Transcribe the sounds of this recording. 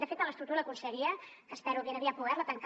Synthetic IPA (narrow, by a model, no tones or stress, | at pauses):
d̪əfet̪ələst̪ukt̪uɾəkunsəɣiəkəspɛɾuβenəβiapuðɛɾlət̪əŋk